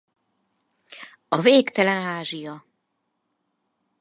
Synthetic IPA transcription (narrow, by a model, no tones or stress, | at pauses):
ɔveːkt̪ɛlɛnaːʐijɔ